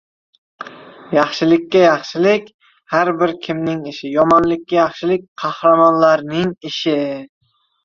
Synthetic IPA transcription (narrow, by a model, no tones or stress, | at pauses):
jɑχʃɪlɪkʲʰːajɑχʃɪlɪkʲ | haɾbɪɾkʲʰɪmnɪŋɪʃɪjɒmɒnlɪkʲːajɑχʃɪlɪk̚ʲqʰɑhɾamɒnlaɾnɪŋɪʃɪ